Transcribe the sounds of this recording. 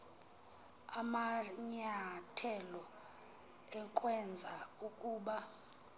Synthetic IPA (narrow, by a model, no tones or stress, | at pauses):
amaɲatʰɛlɔ | ɛŋkʼwɛnd͡zʱaukʼuːɓa